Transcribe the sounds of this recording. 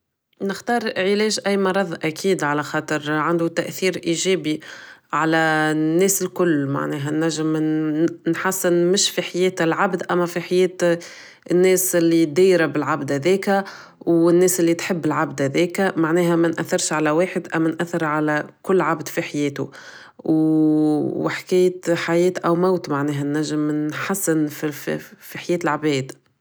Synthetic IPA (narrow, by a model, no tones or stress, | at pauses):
nɪxt̪ɑːɾˤʕɪlɛːʒʔæjːmɑɾˤɑðˤʔækʰiːd̪ʕalæxɑːt̪ˤəɾʕand̪ut̪æʔθiːɾʔiʒɛːbiʕalænːɛːsɪlkʊlːma̰ʕnɛːɦænːæʒːɪm | nħasːɪnmɪʃfiħajɛːt̪ɪlʕabd̪ʔæmːæfiħajɛːt̪ | ɪnːɛːsɪlːid̪iːɾabɪlʕabd̪hæðɛːkæ | wɪnːɛːsʔɪlːit̪ħəbːɪlʕabd̪hæðɛːkæmaʕnɛːɦæmænʔæθːɪɾʃʕalæweːħɪd̪ʔæmːænʔæθːɪɾʕalækʊlːʕabd̪fiħajɛːt̪u | w | wɪħkæːjət̪ħajɛːt̪ʔæwmawt̪maʕnɛːɦænːæʒːɪmnħasːɪnfiffiħajɛːt̪ɪlʕbɛːd̪